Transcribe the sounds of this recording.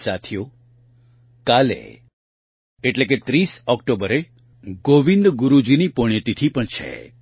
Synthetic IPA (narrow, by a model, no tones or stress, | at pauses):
sat̪ʰijo | kalḛ | eʈlek̬et̪ɾisɔkʈobəɾe | ɡoʋĩnd̪ɡʊɾud͡ʒinipoɳ̃jət̪it̪ʰipəɳt͡ʃʰḛ